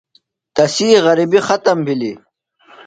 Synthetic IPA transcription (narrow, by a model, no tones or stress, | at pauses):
t̪ɐsiːʁɐɾibixɐt̪ɐmbʱili